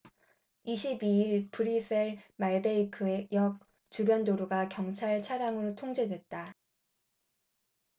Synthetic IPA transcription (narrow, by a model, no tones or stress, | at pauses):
iɕʰibiiɭpɯɾis͈ʰeɭmaɭbe̞ikʰɯejʌk̚ | t͡ɕubjʌndoɾuɡakjʌŋt͡ɕʰaɭt͡ɕʰaɾaŋɯɾotʰoŋd͡ʑe̞dwe̞t̚t͈a